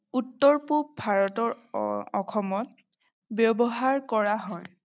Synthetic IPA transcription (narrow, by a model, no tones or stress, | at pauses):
utːɔɹpubʱaɹɔtɔɹɔxʰɔmɔt̚ | bjɔbɔɦaɹkɔɹaɦɔj